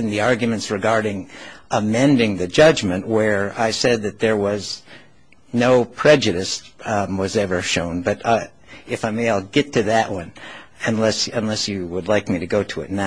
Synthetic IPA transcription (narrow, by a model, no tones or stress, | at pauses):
nðiɑɹɡjɨmɨ̃ntsɹɨɡɑɹɾɪ̃ŋʔəmɛ̃ndɪ̃ŋðɨd͡ʒʌd͡ʒmɨ̃nʔwə˞aɪsɛd̪̚ðɨt̪̚ðə˞wʌz | noʊpʰɹ̥ɛd͡ʒɨɾɨstwʌzɛvə˞ʃõ̰ʊ̃nbʌɾ | ɨfãɪmeaɪlˠɡɛtʰɨðɨʔwʌ̃nɨ̃nlɛsɨ̃nlɛsjɨwədˡlaɪk̚miɾɨɡoʊɾəɨ̰tⁿna